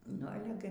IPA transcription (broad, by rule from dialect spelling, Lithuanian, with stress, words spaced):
nʊ ˈɑːlʲɛ ɡʲɪ